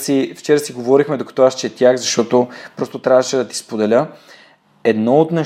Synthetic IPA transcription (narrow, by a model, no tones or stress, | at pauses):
sift͡ʃɛɾəsiɡovɔɾixmɛd̪okɐ̥t̪oast͡ʃɛːt̪ʲjaxzɐʃt̪ɔt̪opɾɔst̪ot̪ɾʲjavɐʃɛd̪ɐt̪i̥spod̪ɛlʲə | ɛd̪nɔot̪nɐ